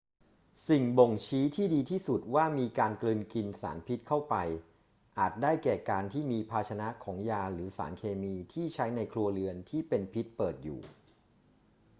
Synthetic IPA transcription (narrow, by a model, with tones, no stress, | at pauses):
si˨˩ŋbo˨˩ŋt͡ɕʰiː˦˥t̪ʰiː˥˩diː˧t̪ʰiː˥˩su˨˩t̪̚waː˥˩miː˧kaː˧nklɯː˧nki˧nsa̰ː˩˦npʰi˦˥t̪̚kʰa˥˩wpa˧j | ʔaː˨˩t̪̚daː˥˩jkɛː˨˩kaː˧nt̪ʰiː˥˩miː˧pʰaː˧t͡ɕʰa˧na˦˥kʰɔː˩˦ŋjaː˧ɾɯː˩˦sa̰ː˩˦nkʰeː˧miː˧t̪ʰiː˥˩t͡ɕʰa˦˥jna˧jkʰlu˧ɐlɯ˧ənt̪ʰiː˥˩pe˧npʰi˦˥t̪̚pɤː˨˩t̪̚jṵː˨˩